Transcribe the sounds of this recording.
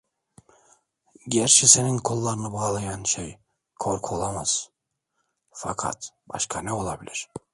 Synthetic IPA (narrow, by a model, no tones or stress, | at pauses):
ɟɛɾʃiseninkʰolˠːaɾɯnɯbaːlˠajanʃej | kʰoɾkʰolˠamaz̥ | fakʰa̰t̪ba̰ʃkʰanɛo̞lˠabilʲiɾ̥